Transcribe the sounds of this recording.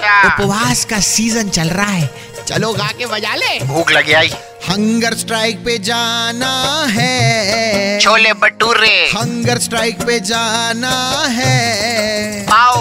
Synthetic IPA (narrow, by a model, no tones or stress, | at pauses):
kaʊpʋaːskasiːzənt͡ʃɐlɾaɦɛː | t͡ʃɐ̰loɡaːkeʋɐd͡ʒaːlebʱuːklɐɡeaːiː | hɐ̃ŋɡəɾsʈɾaːɪk̚ped͡ʒaːnaɦɛ | t͡ʃʰoːlebɐɖuɾːehɐ̃ŋɡəɾsʈɾaːɪk̚ped͡ʒaːnaɦɛ | aːo